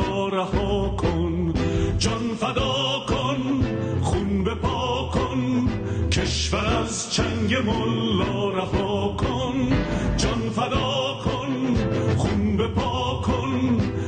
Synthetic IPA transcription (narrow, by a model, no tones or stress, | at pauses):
ɾæhɒːkʰond͡ʒɒnfæd̪ɒːkʰon | χunbepʰɒːkʰon | kʰeʃvæɾæz | t͡ʃʰæŋɡemɔlːɒːɾæhɒːkʰond͡ʒɒnfæd̪ɒːkʰonχunbepʰɒːkʰon